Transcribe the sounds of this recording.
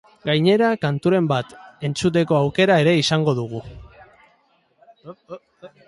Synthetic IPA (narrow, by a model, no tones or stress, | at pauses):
ɡajɲe̞ɾakant̪uɾe̞mbat̪e̞nt͡sut̪̬e̞ko̞awke̞ɾae̞ɾe̞isaŋɡo̞ðuɣ̞u